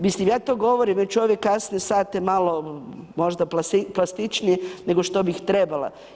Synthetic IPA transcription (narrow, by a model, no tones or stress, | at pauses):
mislimjaːt̪oːɡo̞ʋoɾimjet͡ʃoʋjekːasniesaːt̪jemalomo̞ʒd̪aplasiplˠast̪it͡ʃnijene̞ɡo̞ʃt̪obixt̪ɾebala̰